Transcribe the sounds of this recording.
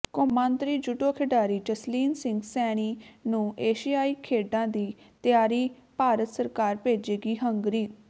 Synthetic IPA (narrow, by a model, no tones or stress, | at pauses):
kʊmãːnt̪ɾiːd͡ʒʊʈoːkʰeɖaːɾiːd͡ʒəsliːnsɪŋɡsɛːɽ̃iːnũːʔeːʃijaːiːkʰeːɖãːd̪iː | t̪jaːɾiː | paːɾət̪səɾkaːɾpeːd͡ʒeːɡiːɦəŋɡɾiː